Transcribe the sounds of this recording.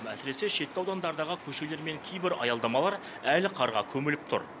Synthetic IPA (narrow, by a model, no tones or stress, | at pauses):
æsɪɾe̞se̞ʃe̞t̪ːɪɑwd̪ɑnd̪ɑɾd̪ɑʁəkʲʰɵʃe̞le̞ɾme̞ŋkʲʰe̞jbɪɾɑ̰jɑlˠd̪ɑmɑlˠɑɾ | ælɪqʰɑɾʁɑ̰kʲʰɵmɪlɪp̚t̪ʰʊ̰ɾ